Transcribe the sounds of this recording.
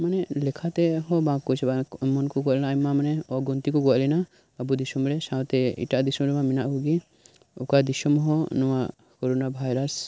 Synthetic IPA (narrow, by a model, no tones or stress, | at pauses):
manɛʔlɛkʰat̪ɛɦɔbãkɔt͡ʃɛbamɔnkɔɡɔʔlɛnamamanɛɔaɡɔnt̪ikɔɡɔaʔlɛna | abud̪isɔmɾɛsãwt̪ɛḭʈaʔd̪isɔmɾɛmaminaʔkuɡi | ukad̪isɔmɦɔnɔwa | kɔɾɔnabʱajɾas